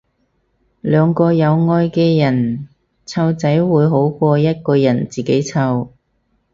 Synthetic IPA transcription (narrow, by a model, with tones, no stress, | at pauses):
lœː˨˧ŋkɔː˧jɐ˨˧wŋɔː˧jkɛː˧jɐ˨˩n | t͡sʰɐ˧wt͡sɐ˨˥jwuː˨˧jɦo˨˥wkʷɔː˧jɐ˥t̚kɔː˧jɐ˨˩nt͡siː˨ke˨˥jt͡sʰɐ˧w